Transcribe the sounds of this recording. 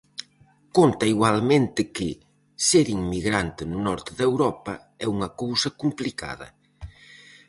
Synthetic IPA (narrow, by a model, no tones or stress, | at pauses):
kont̪ɐiɣwalmẽnt̪ɪkɪ | seɾiŋmiɣɾant̪ɪnʊnɔɾt̪ɪðewɾɔpɐ | ɛuŋɐkowsɐkumplika̰ðɐ̰